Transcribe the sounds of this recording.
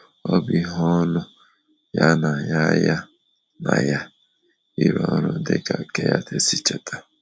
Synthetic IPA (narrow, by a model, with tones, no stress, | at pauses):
ɔ˦bi˦ɦɔ˦nʊ˦ | ja˦na˨ja˦ja˦ | na̰˨ja˦ | i˦ɾɔ˨nʊ˦dɪ˦ka˨ke˦ja̰˦tʰe˦si˦t͡ʃe˨tʰa˨